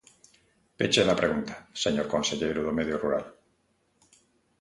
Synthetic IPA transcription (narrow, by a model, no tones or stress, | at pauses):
pet͡ʃelapɾeɣunt̪ḁseɲoɾkonseʎejɾoðomeðjoruɾa̰l